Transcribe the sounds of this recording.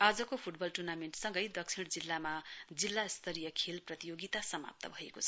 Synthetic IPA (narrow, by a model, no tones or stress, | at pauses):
ad͡zʌkopʰuʈbʌlʈurnameɳʈsʌŋɡʌjd̪ʌksʰiɽd͡zilːamad͡zilːast̪ʰʌɾijʌkʰelprʌt̪ijoɡit̪asʌma̰p̚t̪ʌ̰bʱʌekot͡sʰʌ